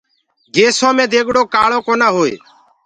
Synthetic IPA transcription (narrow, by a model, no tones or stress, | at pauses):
ɡeːsõːmẽːd̪eːɡɽoːkaːɭõːkoːnãːɦoːḛː